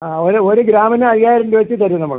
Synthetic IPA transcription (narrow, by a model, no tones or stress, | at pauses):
aːoɾuoɾuɡɾaːmɐnɨɐrijaːjiɾenduʋɐt͡ɕːit̪ɐɾunɐmːɐɭ